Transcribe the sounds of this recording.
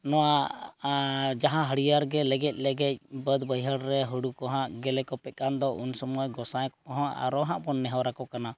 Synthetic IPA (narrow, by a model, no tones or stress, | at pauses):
nɔwa | d͡ʒaɦãɦəɽijaɾɡɛlɛɡɛc̚ˀlɛɡɛc̚ˀbəd̪bəjɦəɽɾɛɦuɽukɔɦãʔɡɛlɛkɔpɛt̪̚kand̪ɔʔunsɔmuaɡɔsajkɔkɔɦãʔa̰ɾɔɦãʔbɔnːɛɦawɾakɔkana